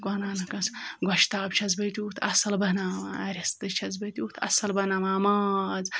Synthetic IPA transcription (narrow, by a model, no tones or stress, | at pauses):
ɡɐnaːnɐkɐsɡʷɐʃt̪aːbt͡ʃʰɐzbɐt̪ʲuːt̪ʰɐsɐlbɐnaːmɐɾʲɐst̪ɨt͡ʃʰɐzbɐt̪ʲuːt̪ʰɐ̰sɐlbɐnɐmaːmaːz